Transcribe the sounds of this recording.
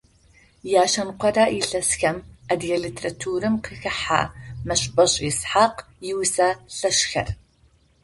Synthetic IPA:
jaːʃɐnqʷɔdaːiɬɐsxɐmɐdjɐlitʰerɐtʰuːɾɨmqʰəxɐħa̰ːmɐɕʼbʼɐɕʼisħaːq | jɪwsɐɬɐʃxɐ̰r

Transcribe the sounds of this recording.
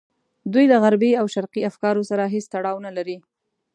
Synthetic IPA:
d̪ujlaɣaɾbiawʃaɾqiafkɑɾosaɾaɦest̪aɽɑwnalaɾi

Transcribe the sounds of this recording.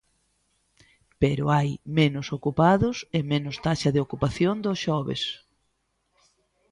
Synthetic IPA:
peɾʊajmenʊsokupaðʊsemenʊst̪aʃɐðeokupaθjond̪osʃɔβḛs

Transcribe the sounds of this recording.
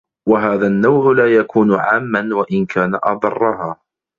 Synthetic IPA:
waɦaːðanːawʕʊlaːjakʰuːnʊʕaːmːanwaʔɪnkʰaːnaʔɑd̪ˤɑ̰rˤːɑɦaː

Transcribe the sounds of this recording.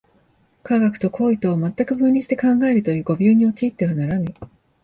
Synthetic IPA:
kaɡakɯ̟̥t̪o̞kʰo̞ːit̪o̞ːmat̪ːakɯ̟bɯ̟̃nʲɾʲiɕi̥t̪e̞kãŋɡae̞ɾɯ̟t̪o̞jɯ̟ːɡo̞bʲoːɲ̟io̞t͡ɕiːt̪ːe̞βanaɾana

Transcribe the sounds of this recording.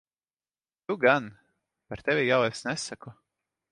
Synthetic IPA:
t̪uɡan | paɾt̪ɛvʲijawɛsnɛsakɔ

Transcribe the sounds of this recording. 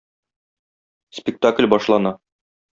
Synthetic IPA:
spʲɪk̚t̪aklʲbɒʃlˠɑnɑ

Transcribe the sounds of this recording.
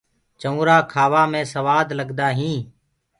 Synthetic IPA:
t͡ʃəũːɾaːkʰaːʋaːmẽːsəʋaːd̪ləɡd̪aːɦĩː

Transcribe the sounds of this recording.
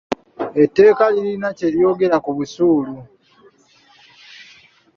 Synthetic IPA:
etːe̞ːkaliɾinace̞ɾjo̞ːɡe̞ɾakuβusuːlu

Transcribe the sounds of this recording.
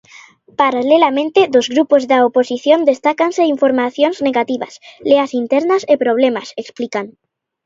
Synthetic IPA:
paɾalelamẽnt̪eðozɣɾupozðaoposiθjo̞nd̪e̞st̪akanseiɱfoɾmaθjo̞nzneɣat̪iβa̰sleasint̪eɾnasepɾoβ̞le̞maseksplikan

